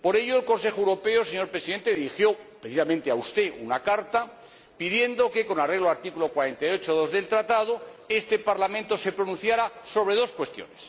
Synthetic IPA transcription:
poɾe̞ʎoelko̞nse̞xoewɾo̞pe̞oseɲo̞ɾpɾe̞siðe̞nt̪eðiɾixjo̞pɾeθisamẽnt̪eaust̪e̞ʔunakaɾt̪a | piðje̞nd̪oke̞ko̞nareɣloaɾt̪ikulo̞kwaɾe̞nt̪ajo̞t͡ʃoðo̞zðe̞lt̪ɾat̪að̞oe̞st̪e̞paɾlamẽnt̪o̞se̞pɾonũnθjaɾaso̞βɾe̞ð̞o̞skwe̞st̪jo̰nes

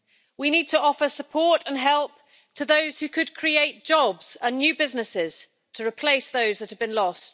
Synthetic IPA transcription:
winiːd̚tʰəɒfəsəpʰɔˑtə̃nɦɛlˠp̚ | tʰəðəʊz̥hʉkʰəd̚kʰɹ̥ieɪʔ̚d̥ʒ̥ɒbz̥ə̃nːjʉːbɪznɪsɪz̥ | tʰəɹɪpʰl̥eɪsðoʊzðəthəvbɨ̃nlɒst

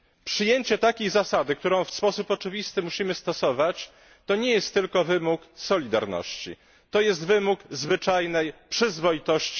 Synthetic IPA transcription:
pʂɘjeɲt͡ɕɛt̪akʲejzasad̪ɘk̚t̪uɾɔ̃w̃fspɔsupɔt͡ʂɘvʲist̪ɘmuɕimɘst̪ɔsɔvat͡ɕ | t̪ɔɲɛjɛst̪ːɘlkɔvɘmuksɔlʲid̪a̰ɾnɔ̰ɕt͡ɕḭ | t̪ɔjɛst̪vɘmukzvɘt͡ʂajnɛjpʂɘzvɔjit̪ɔɕt͡ɕi̥

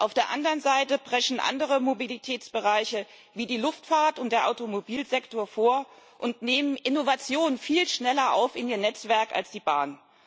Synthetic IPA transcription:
ʔaʊfd̥eːɐʔandɐʁənzaɪtəbʁɛçn̩ʔa̰ndəʁ̞əmobilitʰɛːt͡sb̥əʁaɪçə | viːdiːlʊftfaːɐtʊnt̚d̥eːɐʔaʊtomobiːlzɛktoːɐfoːɐʔʊntneːmənʔɪnovat͡sjoːnənfiːlʃnɛlɐʔa̰ʊfɪniːɐnɛt͡sv̥ɛɐka̰lsd̥iːba̰ːn

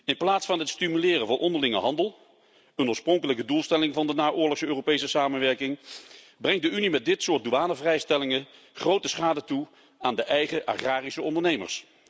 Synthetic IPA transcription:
ɪnplaːtsfɑnɦɛtstimylɪːrənvʊnʔɔndəɹlɪŋə̰ɦɑndəlˠ | ənʊːɹsprɔŋkələkədulˠstɛlɪŋvɑndənaːʔʊːɹlɔχsøːropejsəsaːmənʋɛɹkɪŋ | brɛŋt̚dəynimɛt̚dɪtsʊːɹt̚duaːnəvrɛjstɛlɪŋə | χrowtəsχaːdətu | aːndəʔɛjχəʔa̰χraːrisəɔndəɹnejmə̰ɹs

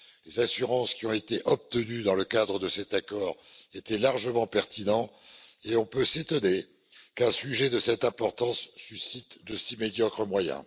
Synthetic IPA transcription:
lezasyʁɑ̃skʲiɔ̃et̪eʔɔp̚t̪ənyd̪ɑ̃ləkad̪ʁəd̪əsɛt̪akɔːʁet̪ɛlaʁʒəmɑ̃pɛʁt̪inɑ̃eɔ̃pøset̪ɔne | kɛ̃syʒɛd̪əsɛt̪ɛ̃pɔʁt̪ɑ̃sːysit̪d̪əsimed̪jɔkχəmwajɛ̰̃

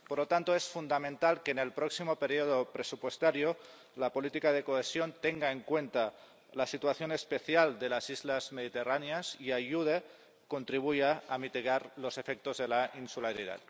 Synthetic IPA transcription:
poɾlot̪ant̪oesfund̪amẽnt̪alkenelpɾɔksimopeɾioðopɾesupwest̪aɾjo | lapolit̪ikað̞ekoesjont̪eŋɡaeŋkwent̪a | lasit̪uaθjonespeθjald̪elasizlazmeð̞it̪eraneasiaʝuð̞e | kont̪ɾiβ̞ujaamit̪iɣ̞aɾlosefek̚t̪ozðelainsulaɾið̞a̰t̪̚

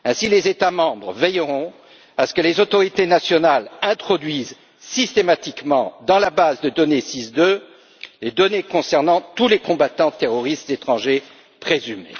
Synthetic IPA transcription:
ɛ̃silezet̪amɑ̃bʁəvɛjʁɔ̃ | asə̥kəlezot̪ɔʁit̪enasjɔnalɛ̃t̪χɔd̪ɥiz | sist̪emat̪ikmɑ̃d̪ɑ̃labazd̪əd̪ɔnesisd̪ø | led̪ɔnekɔ̃sɛʁnɑ̃t̪ulekɔ̃bat̪ɑ̃t̪eʁɔʁist̪z̥et̪χɑ̃ʒe | pχezymḛ

